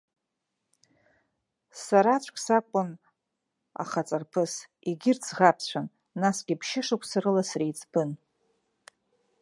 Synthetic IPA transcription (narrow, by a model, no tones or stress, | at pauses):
saɾat͡ɕʷʰʼkʲʼsakʷʼʊn | a̰χat͡sʼarpʰɨs | iɡʲɪrt͡sʰʁapʰt͡ɕʷʰanː | asɡʲɪpʰʃɪʂakʷʰsaɾɨlasrijt͡sʼb̥ɨn